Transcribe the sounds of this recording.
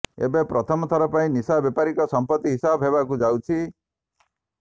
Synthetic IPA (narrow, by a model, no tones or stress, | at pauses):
ḛbepɾɔt̪ʰɔmɔt̪ʰɔɾɔpaĩnisabjɔpaɾikɔsɔmpɔt̪ːiɦisabʱɦebakud͡ʒawt͡ʃʰi